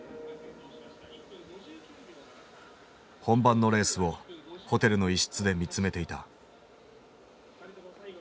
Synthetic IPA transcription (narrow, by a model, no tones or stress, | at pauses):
hõ̞mbãnːo̞ɾe̞ːsɨβo̞ho̞t̪e̞ɾɯ̟no̞iɕi̥t͡sɨd̪e̞mʲit͡sɨme̞t̪e̞it̪a